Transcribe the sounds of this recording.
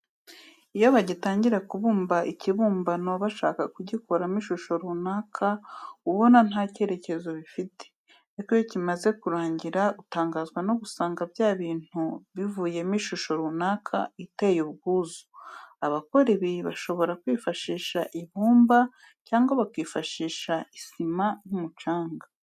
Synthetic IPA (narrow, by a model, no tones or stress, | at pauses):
ijoβaɟitaːɲɟiɾakuβuːmbaʔiciβuːmbano̞βaʃa̰ːkakuɟikoɾamiʃuʃo̞ɾuːnaːkʰauβo̞nan̥hace̞ːɾe̞ce̞zo̞βifite̥ | ikojocimaze̞kuɾaːɲɟiɾaɡutaːŋɡaːzɡwano̞ɡusaːŋɡabjaːβiːn̥uβivuːje̞miʃuʃo̞ɾunaːkʰa̰itajuβɡuːzu̥aβako̞ɾiβiβaʃo̞βo̞ɾakwiːfaʃiːʃaʔiβuːmba | caːŋɡaβakwiːfaʃiːʃaisimanumut͡ʃaːŋɡa